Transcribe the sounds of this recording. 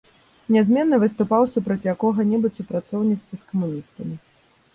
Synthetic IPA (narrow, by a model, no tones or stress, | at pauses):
nʲazʲmʲɛnːɐvɨst̪upawsupɾɐt͡sʲjakɔɣɐnʲɛbɨt͡sʲsupɾat̪sɔwnʲit̪st̪vʲɐskɐmunʲist̪ɐmʲi